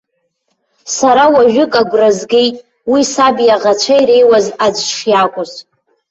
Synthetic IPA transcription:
saɾawaʒᶣʊkʼaɡʷrazɡʲe̞jtʼ | wisabjaʁat͡ʃʷʰajɾe̞jwazad͡ʒʷʰʂjakʷʼʊz

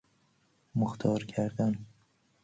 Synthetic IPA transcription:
mʊxt̪ʰɒːɾkʰaɾd̪an

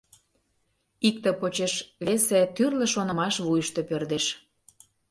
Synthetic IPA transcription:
ik̚t̪ə̆pot͡ɕeʃβeset̪yrlə̆ʃonɤ̆mɑʃβujəʃt̪epørd̪eʃ

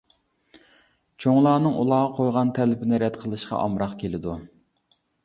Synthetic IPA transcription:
t͡ʃʰoŋlˠɑːnɨŋulˠɑːʁɑqʰojʁɑnt̪ʰɛlɪpɪnɪɾɛt̪qʰəlˠɨʃqɑ̰ʔɑmɾɑqkʲʰelɪd̪u

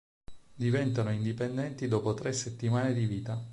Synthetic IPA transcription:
d̪ivɛnt̪anoind̪ipend̪ɛnt̪id̪ɔːpot̪ɾeset̪ːimaːned̪iviːt̪a

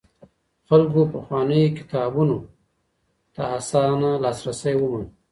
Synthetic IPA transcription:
xalɡopaxwɑnəjkɪ̥t̪ɑbuno | t̪aasɑnalɑsɾasajwəman

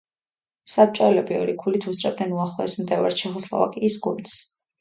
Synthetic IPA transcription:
sap̚t͡ʃʼɔɛlɛbiɔɾikʰulit̪ʰust̪ʼɾɛb̚d̪ɛnuaχlˠɔɛsmd̪ɛva̰ɾʃɛχɔslˠa̰va̰kʼiːsɡuns

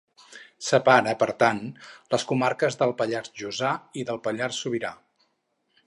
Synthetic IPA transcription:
səpaɾəpəɾt̪anləskumaɾkəzðəlˠpəʎarzʒuzaiðəlˠpəʎarsuβiɾa

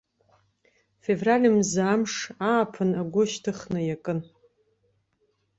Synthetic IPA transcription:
fe̞vralʲɨmzamʂaːpʰɨnaɡʷʊʃtʰɨχnɨjakʼɨn

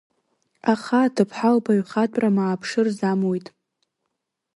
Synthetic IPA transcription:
aχatʰɨpʰħalpʰaɥχatʷʼramaːpʰʂɨrzamwojtʼ

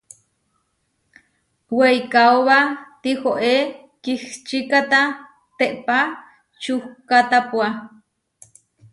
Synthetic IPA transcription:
wejkaoβat̪ixoʔe | kixt͡ʃikat̪a | t̪eʔpa | t͡ʃuhkat̪apwa

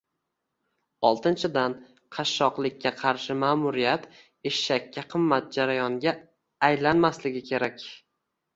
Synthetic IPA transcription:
ɒlˠt̪ʰɪnt͡ʃʰɪd̪an | qʰɑʃːɒqlˠɪkʲːaqʰɑɾʃɪmaːmʊɾɪjat̪ | eʃːakʲʰːaqʰɨmːat̪̚d͡ʒaɾajɒŋɡʲa | ajlanmaslɪɡʲɪkʲʰe̞ɾakʲ

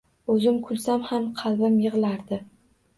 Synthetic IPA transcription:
ɵzɪmkʰʊlˠsamhamqʰɑlˠbamjɨʁlaɾd̪ɪ

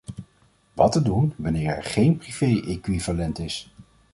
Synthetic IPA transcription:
ʋɑtədunʋɑnɪːɹɛ̰ɹχejnpriv̥ejʔekʋiv̥alɛntɪs

